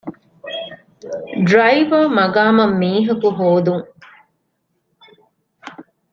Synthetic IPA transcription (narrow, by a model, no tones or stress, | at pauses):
ɖɾɐjʋɐːmɐɡaːmɐmːiːɦɐkuɦoːd̪uŋ